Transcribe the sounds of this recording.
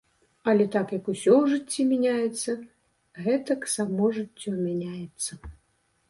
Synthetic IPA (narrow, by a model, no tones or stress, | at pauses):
ɐlʲɛt̪akjɐkusʲɔwʐɨt͡sʲːimʲanʲajɛt̪sːɐ | ɣɛt̪ɐksamɔʐɨt͡sʲːɔmʲanʲajɛt̪sːɐ